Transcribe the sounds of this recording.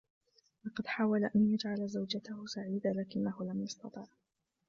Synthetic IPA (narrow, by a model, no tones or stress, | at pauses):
lɑqɑd̪ħaːwalaʔanjad͡ʒʕalazawd͡ʒat̪ahʊsaʕiːd̪alaːkɪnːahʊlamjɑst̪ɑt̪ˤiːʕ